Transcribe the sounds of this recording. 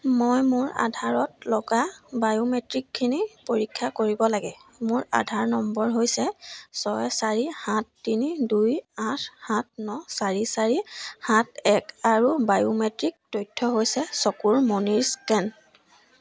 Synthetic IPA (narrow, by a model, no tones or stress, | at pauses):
mojmʊɹa̰dʱaɹɔtlɔɡabajumetɹikʰːinipoɹikʰːakoɹibɔlaɡɛmʊɹa̰dʱaɹnɔmbɔɹɦojsɛsɔjsaɹihãtːinidujãtʰhãt̚ʰnɔsaɹisaɹihãt̚ʰɛkaɹubajumetɹik̚tojtʰːɔɦojsɛsokuɹmoniɹskɛn